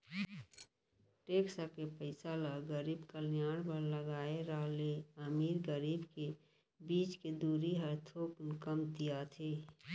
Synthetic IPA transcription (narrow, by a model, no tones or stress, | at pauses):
ʈeːksakepəɪsaːlaɡəɾiːbkəljaːɽbəɾləɡaːeɾaːleəmiːɾɡəɾiːbke | biːt͡ʃked̪uːɾiɦəɾt̪ʰoːknkəmt̪ijat̪ʰeː